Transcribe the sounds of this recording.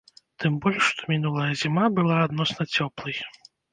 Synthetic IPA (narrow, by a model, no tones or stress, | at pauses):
t̪ɨmbɔlʲʂʂt̪ɔ̥mʲinulˠɐjɐzʲimabɨlˠaːd̪nɔsnɐt͡sʲɔplˠɨj